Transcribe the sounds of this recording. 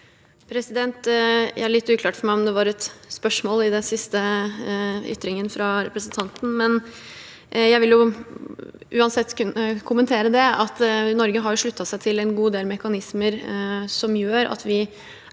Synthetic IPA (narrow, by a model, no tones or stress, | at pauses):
pʰɾɛsɪd̪ɛnt̪jæ̰æɭɪt̪ːʉːkʰlɑːʈfɔɾmæɪɔmd̪ɛʋɑɾɛt̪spœʂmoːlɪd̪ɛnsɪst̪ə | ʏ̰t̪ːɾɪŋənfɾɑɾɛpɾəsən̩t̪ʰɑnt̪n̩mɛn | jæɪʋɪljʊ | ʔʉːɑnsɛt̪ːəkʰʊmənt̪ʰeːɾəd̪ɛɑt̪nɔɾɡəɦɑɾjʊʂɭʉt̪ːɑsæɪt̪ʰɪlɛnɡuːd̪eːlmɛkɑnɪsməɾsɔmjøːɾɑ̰t̪ʋɪ